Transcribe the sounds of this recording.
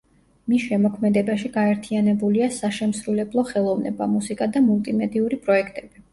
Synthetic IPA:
misʃɛmɔkʰmɛd̪ɛbaʃiɡaɛɾt̪ʰianɛbuliasaʃɛmsɾulɛblˠɔχɛlˠɔvnɛ̰ba̰musikʼad̪amulˠt̪ʼimɛd̪iuɾipʼɾɔɛkʰt̪ʼɛb̥i

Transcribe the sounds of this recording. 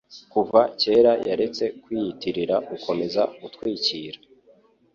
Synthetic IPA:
kuvace̞ːɾajʔaɾe̞t͡se̞kwiːitiɾiɾaukʰo̞me̞zaɡutkwiːciːɾa

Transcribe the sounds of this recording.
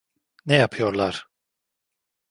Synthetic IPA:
nɛjapʰɯjo̞ɾlˠaɾ̥

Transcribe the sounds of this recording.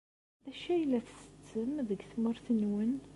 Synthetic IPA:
ðæʃæjlːæθsə̥t͡sːəmðəɡθməɾθənwən

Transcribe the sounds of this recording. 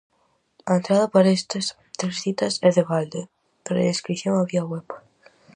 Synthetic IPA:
aent̪ɾaðɐpaɾest̪es | t̪ɾesθit̪ɐsɛðeβald̪e | peɾaeskɾiθjoŋaβiaɣwɛp

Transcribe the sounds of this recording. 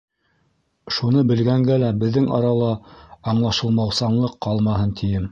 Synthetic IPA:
ʃunɤbɘ̆lɡæŋɡælæbɘ̆ðːɘŋɑ̰ɾɑlˠɑɑɴlˠɑʃɤ̆lˠmɑwsɑɴlˠɤqʰːɑlˠmɑɦɤnt̪ʰijɘm

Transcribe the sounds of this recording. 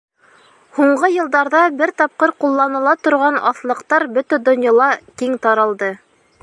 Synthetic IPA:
huɴɢɤjɤ̆lˠd̪ɑɾðɑbɘɾt̪ɑp̚qɤɾqulˠːɑnɤ̆lˠɑt̪ŏɾʁɑnɑ̰θlˠɤ̆qt̪ɑɾbɵt̪æd̪ŏnjɑlˠɑkiŋt̪ɑɾɑlˠd̪ɤ

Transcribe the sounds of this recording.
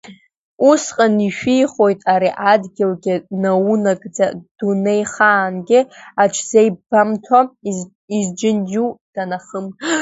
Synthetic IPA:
usqʼaniʃᶣijχo̞jtʼaɾiʔadɡʲɪlɡʲɪnaunakʼd͡zad̥unejχaːnɡʲɪat͡ʃʷʰzejbamtʰa | izd͡ʒɪnd͡ʒud̥anaχəm

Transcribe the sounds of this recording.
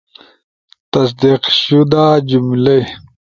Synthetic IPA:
t̪ɐs̬d̪iqɕud̪aːd͡ʑumle

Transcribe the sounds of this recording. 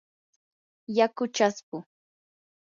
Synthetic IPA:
jakʊt͡ʃaspʊ

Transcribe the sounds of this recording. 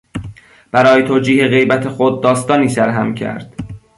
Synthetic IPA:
b̥æɾɒːjet̪ʰoːd͡ʒiːhe̞ɣe̞jbæt̪ʰexod̪̚ːɒːst̪ɒːniːsæɾɦæmcʰæ̰ɾd̪̥

